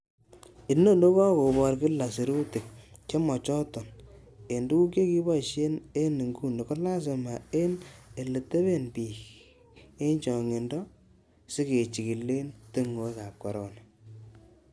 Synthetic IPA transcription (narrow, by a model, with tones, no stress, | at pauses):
ɪ˨no˦no˦kɔ˦ko˨bɔ˨ɾkɪ˦la˨si˨ɾu˦tɪ˨k̚t͡ʃe˦mɔ˨t͡ʃɔ˦tɔ˨n | e˨ndu˦ku˦k̬e˦ki˦ba˦˨ʃe˦ne˦ni˨ŋɡu˦˨ne˨ko˦la˦s̬e˨ma˨e˦ne˨le˨te˦βe˦npiː˨k | e˦nt͡ʃɔ˨ŋe˨ndɔ˦ | sɪ˦ke˨t͡ʃi˨ki˨lːe˦nti˦ŋo˨˦ka˨p̚ka˨ɾɔ˨na˨